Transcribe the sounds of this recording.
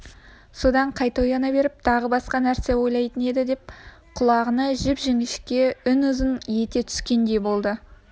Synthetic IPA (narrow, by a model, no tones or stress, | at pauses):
so̞d̪ɑɴqʰɑjt̪ojɑnɑbe̞ɾɪp̚t̪ʰɑʁəbɑsqɑnæɾse̞wo̞jlˠɑjt̪əne̞d̪ɪd̪ep̚ | qʰʊlˠɑʁənəʒɪpʒeŋɪʃkʲe̞ʏnʊzɪnje̞t̪e̞t̪ʰʏ̥skʲe̞nd̪e̞jbo̞lˠd̪ə